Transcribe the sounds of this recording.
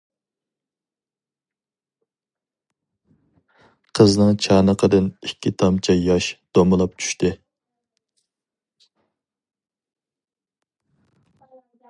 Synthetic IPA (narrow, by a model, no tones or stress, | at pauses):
qʰəznɨŋt͡ʃʰɑːnəqʰəd̪ɨnikʲʰːit̪ʰɑmt͡ʃʰɛjɑʃd̪̥omɨlˠɑp̚t͡ʃʰy̥ʃt̪ɪ